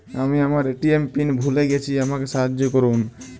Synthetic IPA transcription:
amiamaɹeʈiempinbʱuleɡɛt͡ɕʰiamakesaɦad͡ʒɔkɔɹun

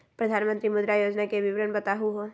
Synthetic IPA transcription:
pɾəd̪ʱaːnmə̃nt̪ɾimʊd̪ɾajoːd͡ʒnakebɪʋɾənbət̪aɦuɦo

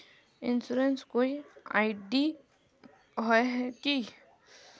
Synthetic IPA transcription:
ɪnsuɾenskoːiaɪɖi | ɦoeɦɛki

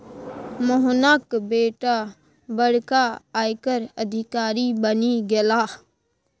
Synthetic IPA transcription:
moɦnaːkbeːʈa | bəɽ̤kaaːjkəɾəd̪ʱɪkaːɾibəniɡelaː

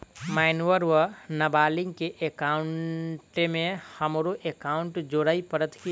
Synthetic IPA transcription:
maːɪnuʋəɾʋənɐbaːlɪ̃ŋɡ̚keʔekaːʊɳʈemẽhəmɾoʔekaːʊ̃ɳʈd͡ʒoɾaːipəɾət̪ki

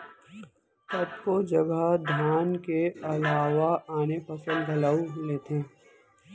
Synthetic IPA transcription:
t̪ɐt̪kod͡ʒɐɡəd̪ʱjaːnkeɐlaːʋaaːnepɐsəlbʱɐlaːuleːt̪ʰẽː

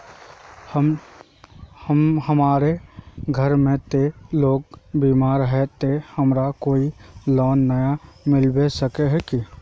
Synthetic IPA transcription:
həm | həmhəmaːɾeɡʱəɾmẽt̪eloːɡ̚biːmaːɾɦɛt̪ehəmɾakoːilɔːnːəjamɪlbesəkeɦɛki

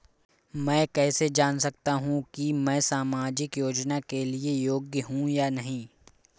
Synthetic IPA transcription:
mɛ̃ːkɛːsed͡ʒaːnsɐkt̪aɦũkimɛ̃ːsaːmaːd͡ʒɪkjoːd͡ʒnakeliejoːɡjəɦũjaːnɐɦĩː

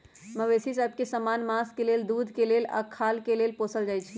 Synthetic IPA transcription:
məʋesisəb̚ʱkesəmanmaskeleld̪ud̪ʱkelela̰kʰalkelelposəld͡ʒajt͡ʃʰi

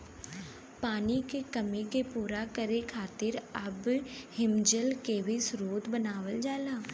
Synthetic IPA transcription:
paːnikekəmikepuːɾakəɾekʰaːt̪ɪɾɐbhɪmd͡ʒəlkeʋisɾoːd̪bənaːʋəld͡ʒaːlaː

